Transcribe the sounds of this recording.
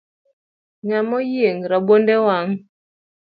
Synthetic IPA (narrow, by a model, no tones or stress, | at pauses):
ŋamɔjeŋɾaɓondɛwaŋ